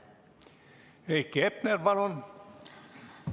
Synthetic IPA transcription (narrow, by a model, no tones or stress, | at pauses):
eikːepnerʋɑlon